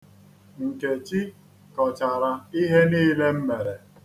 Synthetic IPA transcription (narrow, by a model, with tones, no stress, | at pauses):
ŋ̩˨ke˨t͡ʃi˦ | kɔ˨t͡ʃa˨ɾa˨i˦ɦe˦niː˦le˦m̩˦me˨ɾe˨